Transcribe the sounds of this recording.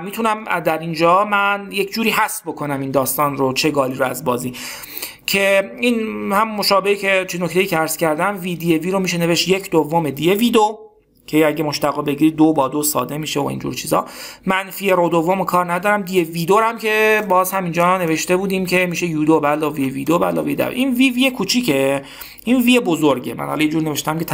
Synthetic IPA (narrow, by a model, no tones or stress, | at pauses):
miːt̪ʰunæmd̪æɾind͡ʒɒːmænje̞cʰd͡ʒuːɾiːɦæst̪bo̞kʰo̞næmind̪ɒːst̪ɒːnrot͡ʃʰe̞ɡɒːliːɾoæzbɒːziː | cʰe̞inhæmuːo̞ʃɒːbe̞hicʰe̞t͡ʃʰeno̞ct̪ʰe̞jiːcʰeæɾz̥cæɾd̪æmviːd̪ieviːɾo̞miːʃ̬e̞neve̞ʃt̪jecʰd̪ovːome̞d̪ije̞vid̪o | cʰe̞æɟemoʃt̪æɣɔːbe̞ɟiːɾid̪̚ːobɒːd̪osɒ̰ːd̪e̞miːʃeo̰ḭnd͡ʒṵɾt͡ʃʰiːzɒ̰ːmænfieɾod̪ovːomokʰɒːɾnæd̪ɒːɾæmd̪ijeviːd̪oɾæmcʰe̞bɒːzhæmind͡ʒɒːne̞ve̞ʃt̪e̞buːd̪iːmcʰe̞miːʃe̞juːd̪obælɒːvijeviːd̪obælɒ̰ːved̪æ̰ʔinviːviːekʰut͡ʃʰiːcʰe | inviːebozoɾɟe̞̰mæ̰nhɒ̰lɑnjed͡ʒuːɾineveʃt̪æmke̞t̪ʰ